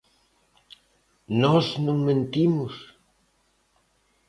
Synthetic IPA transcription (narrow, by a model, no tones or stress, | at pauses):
nɔznũŋmẽnt̪imus